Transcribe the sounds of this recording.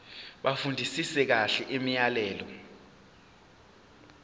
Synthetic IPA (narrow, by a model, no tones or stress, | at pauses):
ɓafundʱisisɛk̬aɬɛʔimijalɛːlɔ̰